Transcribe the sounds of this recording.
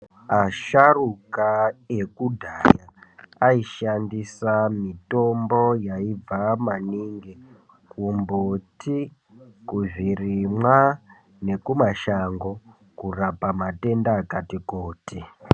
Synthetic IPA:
aʃarukaekudʱaːjaaiʃandisamito̞mbo̞jaib͡vamaniːŋɡe | kumbotʰi | kuʐiriimwa | ne̞kumaʃaŋɡo̞ | kurapamate̞ndaːkatikoːti

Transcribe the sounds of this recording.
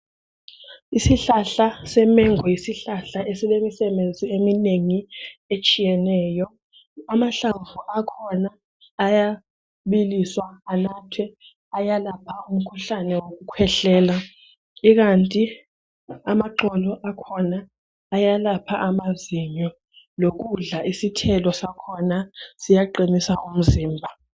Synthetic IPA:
isiɬaɬasɛmɛŋɔjisiɬaɬaʔesilemisɛɓend͡zʱiemineŋiet͡ʃʼijɛnɛːjɔ | amaɬavuʔakʰɔnaː | ja | ɓiliswaanatʰwɛ | ajalapʰaum̩kʰuɬanɛwok̬ukʰwɛɬɛːla | ik̬antʼi | amaǃɔlɔʔakʰɔnaː | jalapʰaʔamaziɲɔ | lok̬uɮaʔisitʰɛlɔsakʰɔnasijaǃinisaʔum̩ziːmbʱa

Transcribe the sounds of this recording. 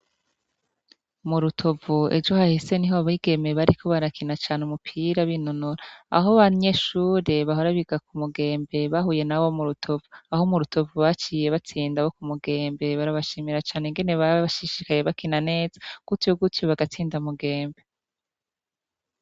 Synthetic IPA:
muɾutʰo̞vue̞̰d͡ʒo̞hahise̞niɦoaβiɡe̞me̞βaɾikʰo̞βaɾakʰinat͡ʃaːneumupʰiɾaβinonuɾaa̰ɦoβaɲe̞ʃuːɾe̞βaɦo̞ɾaβiɡakumuɡe̞ːmbe̞βaɦuje̞nawo̞muɾutʰo̞vuaɦo̞muɾuto̞vuβat͡ʃiːje̞βat͡siːndawo̞kumuɡe̞ːmbe̞βaɾaβaʃiːmiɾat͡ʃaːneŋɡe̞ne̞βaβʃiʃikaje̞βakinane̞ːzḁɡ̥utjoɡutjoβaɡat͡siːndamuɡe̞ːmbe̞

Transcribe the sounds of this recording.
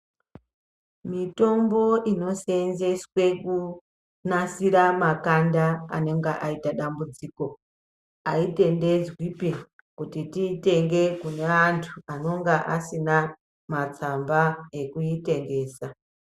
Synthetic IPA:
mito̞mbo̞ʔino̞senze̞swe̞ku | nasiɾamakandaa̰ne̞ŋɡeʔaitaɗambud͡ziko̞ | aite̞nde̞d͡zwipi | kutitite̞ŋɡe̞kune̞antʰuano̞ŋɡaʔasina | mat͡sambae̞kuite̞ŋɡe̞ːsa

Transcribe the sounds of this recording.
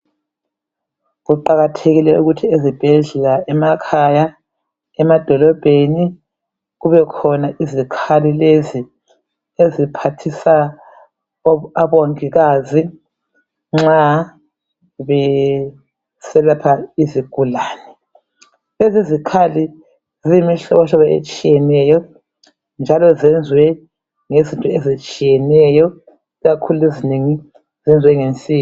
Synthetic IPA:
ɣuǃaɣatʰeɣilɛuɣutʰiezib̥ʱɛɮɛlaɛmakʰaja | ɛmad̥ʱɔlɔb̥ʱeni | ɣuβɛkʰɔnaʔizikʰalilezi | ezipʰatʰisa | aβoŋiɣaːzi | ŋ͡ǁa | βɛ | sɛlapʰaiziɡ̥ʱulaːnɛ | ezizikʰali | zimiɬɔ̰βɔɬɔβaḛt͡ʃʼijɛnɛjɔ | nd͡ʒʱalɔzɛnd͡zʱwɛ | ŋezintʼuezit͡ʃʼijɛnɛjɔ | iɣakʰuluezineŋi | zɛnd͡zʱwɛŋent͡sʼiː

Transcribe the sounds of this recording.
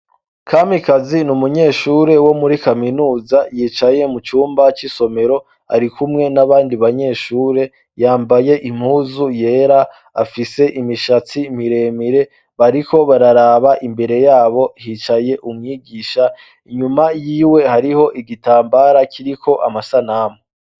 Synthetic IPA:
kʰaːmikazinumuɲe̞ːʃuːɾe̞wo̞muɾikaminuːzajiːt͡ʃaje̞mut͡ʃuːmbat͡ʃiso̞me̞ɾo̞ | a̰ɾikʰumŋe̞naβaːndiβaɲe̞ːʃuːɾe̞ | jaːmbaje̞ʔim̥huːzuje̞ːɾa | afise̞ʔimiʃat͡sim̥iɾe̞ːmiɾe̞ | βaɾikʰo̞βaɾaɾaβaʔimbe̞ɾe̞jaːβo̞hiːt͡ʃaje̞ʔumŋiːɡiːʃa | iɲumajiːwe̞haɾiho̞ʔiɡitaːmbaːɾakʰiɾikʰo̞ʔa̰masanamo

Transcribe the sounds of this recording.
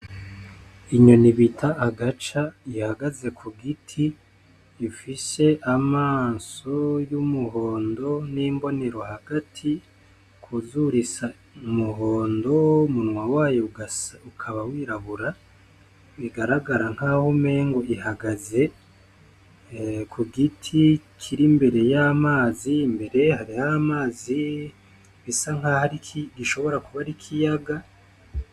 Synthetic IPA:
iɲo̞niβitʰaʔːɡat͡ʃaihaɡaze̞kʰuɡitʰiː | fise̞ʔamaːso̞jumuɦo̞ːndo̞niːmbo̞ne̞ɾo̞haɡ̥atʰi | kʰuzuɾisa | umuɦoːndo̞umunŋwawaːjouɡukʰaβawiːɾaβuɾa | βiɡaɾaɡaɾaŋ̥haːhume̞ŋɡo̞iɦaɡaze̞ | kʰuɡitʰikʰiɾimbe̞ɾe̞jamaːzimbe̞ɾe̞haɾihamaːzi | βisaŋ̥hahaɾikʰiɡiʃo̞βo̞ɾakuβaɾikʰijaɡa

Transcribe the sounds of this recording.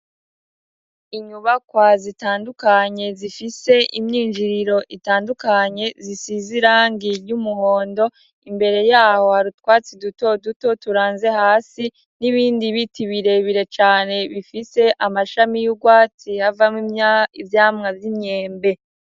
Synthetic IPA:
iɲuβakwazitaːndukaɲe̞zifise̞ʔimɲiːnd͡ʒiɾiɾo̞ʔitaːndukaɲe̞zisiziɾaːŋɡiɾjumuho̞ːndo̞ | imbe̞ɾe̞jaːho̞haɾutwaːt͡siduto̞duto̞tuɾaːnze̞haːsi | niβiːndiβitiβiɾe̞βiɾe̞t͡ʃaːne̞βifise̞ʔamaʃamijuɡwaːt͡sihavamimɲaivjaːmŋavjimɲe̞ːmbe̞

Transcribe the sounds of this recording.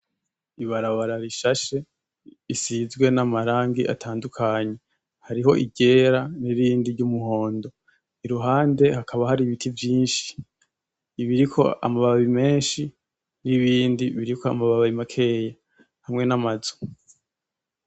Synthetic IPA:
iβaɾaβaɾaɾiʃaʃe̞ | isizɡwe̞namaɾaːŋɡiʔa̰tʰaːndukʰaɲe̞ | haɾiɦo̞ʔiɟe̞ːɾaniɾiːndiɟumuɦo̞ːndo̞ | iɾuɦaːnde̞hakʰaβahaɾiβitʰivjiːnʃi̥ː | βiɾikʰo̞̰a̰maβaβaβime̞ːnʃi | niβiːndiβiɾikʰo̞a̰maβaβaβimakʰe̞ːja | hamŋe̞namazo̥

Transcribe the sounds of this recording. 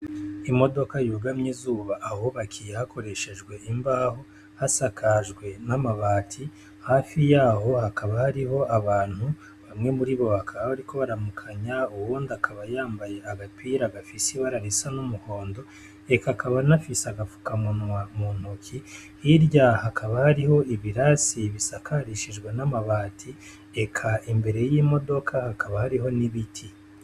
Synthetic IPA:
imo̞do̞kajuːɡamɲizuːβaʔːho̞βakʰijehakʰo̞ɾe̞ʃe̞ʒɡwe̞imbaːho | hasakʰaʒɡwe̞namaβaːtʰi | haːfijaːho̞hakʰaβahaɾiɦo̞ʔaβaːn̥hu | βamŋe̞muɾiβo̞hakʰaβaβaɾiko̞βaɾamukʰaɲauβuːndakʰaβajaːmbaje̞aɡapiɾaɡafisiβaɾaɾisanumuho̞ːndo̞ | e̞kakaβanafisaɡafu̥kamunwamuːn̥hukʰi | hiɾɟahakʰaβahaɾiho̞iβiɾasiβisakʰaɾiʃiʒɡwenamaβaːtʰi | e̞kʰaimbe̞ɾe̞jiːmo̞do̞kʰahakaβahaɾiɦo̞niβitʰi

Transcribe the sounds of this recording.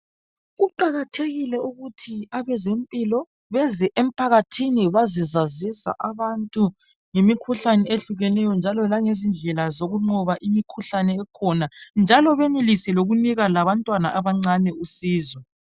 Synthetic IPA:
ɣuǃaɣatʰeɣilɛuɣutʰiaβɛzempʼilɔ | βɛzɛʔem̩pʰaɣatʰiniβazizazisa̰ʔaβantʼu | ŋemikʰuɬanɛeɬuɣɛnɛjɔnd͡ʒʱalɔlaŋezind͡ɮʱɛlazoɣuŋ͡ǃɔβaʔimikʰuɬanɛːkʰɔnand͡ʒʱalɔβenilisɛloɣuniɣalaβantʼwanaʔaβaŋ͡ǀanɛusiːzɔ

